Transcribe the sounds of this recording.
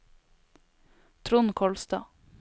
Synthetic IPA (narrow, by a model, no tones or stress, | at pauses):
t̪ʰɾʊnkʰɔlst̪ɑ̰ː